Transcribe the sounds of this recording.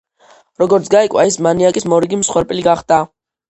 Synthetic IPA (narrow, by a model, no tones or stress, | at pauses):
ɾɔɡɔɾt̪sɡaikʼwaismaniakʼismɔɾiɡimsχwɛɾpʼiliɡaχd̪̥a